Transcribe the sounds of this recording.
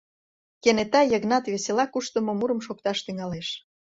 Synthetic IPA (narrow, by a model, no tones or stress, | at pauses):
kenet̪ɑjəɣnɑt̪βeselɑkuʃt̪ə̆momuɾə̆mʃok̚t̪ɑʃt̪yŋɑleʃ